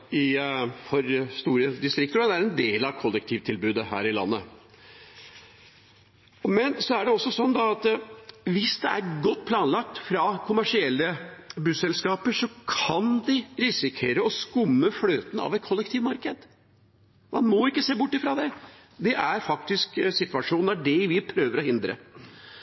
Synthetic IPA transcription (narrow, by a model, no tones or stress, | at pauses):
ɪfɔɾst̪uːɾəd̪ɪst̪ɾɪkt̪əɾɔd̪ɛæɾɛnd̪eːlɑʋkʰɔlːək̚t̪ʰiːʋt̪ʰɪlbʉːd̪əɦæ̰ːɾɪlɑ̰nːə | mɛnsɔæɖɛɔsːɔsɔnːd̪ɑɑt̪ʋɪsd̪ɛæɾɡɔt̪ːpʰlɑːnlɑk̚t̪fɾɑkʰʊmæʂɪɛlːəbʉsɛlskɑːpəʂɔkʰɑnd̪ɪɾɪsɪkʰeːɾəɔskʊmːəfløːt̪n̩ɑ̰ʋɛt̪̚kʰɔlːək̚t̪ʰiːʋmɑɾkəd̪ | mʔɑnmɔɪkːəseːbʊʈːɪfɾɑd̪ɛ | d̪ɛʔæɾfɑk̚t̪ɪsksɪt̪ʉʋɑʂuːnæɖɛʋɪpʰɾøːʋəɾɔhɪnd̪ɾə̰